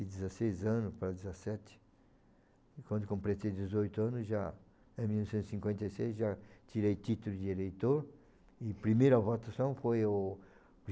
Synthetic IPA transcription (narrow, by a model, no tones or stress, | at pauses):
ɪd̪ɪzasejzɐ̃nʊspɾɐd̪ɪzɐsɛt̪ɪ̥ | kwɐ̃nd̪ʊkõmpɾesejd̪ɪzojt̪ʊɐ̃nʊzʒa | ẽmilnɔsẽnt̪ʊ̥sĩŋkwẽnt̪ejsejzʒat͡ʃ̪iɾejt̪it̪ʊlʊd͡ʒ̪ɪelejt̪oɾ | ɪpɾimejɾɐvot̪asɐ̃w̃fojʊ